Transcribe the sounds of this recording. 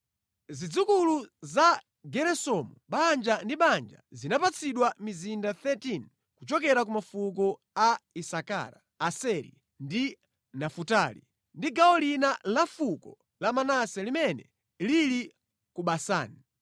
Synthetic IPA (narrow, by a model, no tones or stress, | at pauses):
zid͡zukuluza | ɡɛɾɛsɔmuɓand͡ʒandiɓand͡ʒa̰zinapat͡sʰiɗwamizindaθɛtin | kut͡ʃɔkɛɾak̬umafuk̬ɔ | aisaka̰ːɾa | asɛɾḭ | ndi | nafutaːlḭ | ndiɡaɔlinalafukɔ | lamanasɛlimɛnɛ̰ | lili | kuɓasa̰ːni